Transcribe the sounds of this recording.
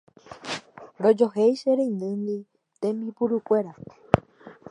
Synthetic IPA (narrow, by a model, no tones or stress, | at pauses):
ɾod͡ʒoɦejʃeɾẽinɨ̃nd̪i | t̪ẽmipuɾukʷe̞ɾa